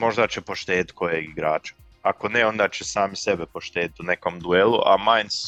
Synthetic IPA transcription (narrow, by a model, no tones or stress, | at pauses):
mo̞ʒd̪at͡ɕepo̞ʃt̪eːd̪it̪kʰo̞jeɡiɡɾaːt͡ʃḁ | ako̞neo̞nd̪at͡ɕesaːmisebepoʃt̪eːd̪it̪une̞ko̞md̪uelˠuʔamajns